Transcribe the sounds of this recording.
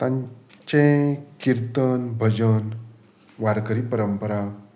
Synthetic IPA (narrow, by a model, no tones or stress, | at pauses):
t̪ãɲt͡ɕẽkiɾt̪ənbʱəd͡ʑən | ʋaɾkəɾipəɾəmpəɾa